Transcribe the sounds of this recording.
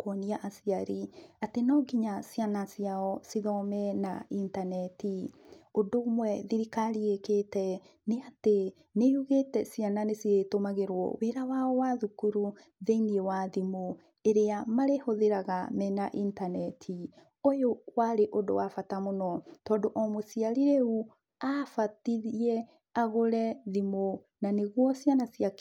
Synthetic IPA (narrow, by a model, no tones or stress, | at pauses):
koɔniaʔasiaɾiatenɔɡiɲasianasjaɔsiðɔmɛna̰intanɛtiodomwɛðiɾikaɾieketɛ | neate | neuɣetɛsijananesietomaɣeɾwɔ̰weɾawaɔwaðukuɾu | ðeiniewaðimo | eɾeamaɾehoðeɾaɣamɛnaʔintanɛtʰi | ojowaɾeʔodo̰wafatamonɔtɔːndoʔɔmosiaɾiɾeu | afatiɾiɛ | aɣoɾɛðimo | naneɣwɔsjanasia